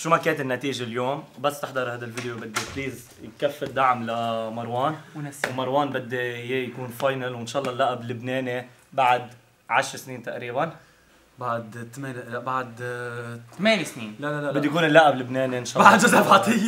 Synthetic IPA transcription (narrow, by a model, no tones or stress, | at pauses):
ʃumakeːnt̪ɪnːat̪iːʒeljoːmbasːt̪ɪħd̪ɑɾˤhaːd̪alvɪd̪jobɪd̪ːɪfliːz | jkafːɪd̪aʕmlamɑɾˤwɑːnnwmɑɾˤwɑːnbɪd̪ːejejakuːnfɑːjnalwɪnʃɑːlːɑlːaʔablɪbneːni | baʕad̪ | ʕaʃɾˤsniːnt̪aʔɾiːban | baʕd̪t̪meːnabaʕd̪t̪meːnisniːnlalalabɪd̪ːjkuːnɪlːaʔablɪbneːninʃɑːbaʕd̪ʒʊzalʕɑt̪ˤɪjː